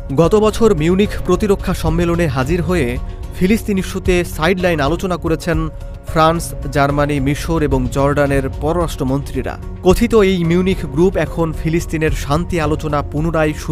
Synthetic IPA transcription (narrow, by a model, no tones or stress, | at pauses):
ɡɔt̪obɔt͡ɕʰoɾmiunikpɾot̪iɾokʰːaʃɔmːeloneɦad͡ʑiɾɦoe | fʰilisʈiniʃut̪esajɖlajnalot͡ɕonakoɾet͡ɕʰen | fʰɾans | d͡ʑaɾmanimiʃoɾeboŋd͡ʑɔɾɖaneɾpɔɾoɾaʃʈɾomont̪ɾiɾa̰ | kot̪ʰit̪oejmiunikɡɾupɛkʰonfʰilisʈineɾʃant̪ialot͡ɕonapunoɾajʃu